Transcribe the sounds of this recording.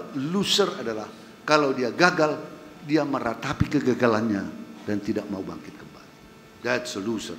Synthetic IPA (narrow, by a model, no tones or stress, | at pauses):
lusəradalah | kalawdiaɡaɡaldiaməɾat̪apikəɡaɡalanɲadant̪idaʔ̚maubaŋkɪt̪̚kəmbali | d̪ɛtsəlusə̰r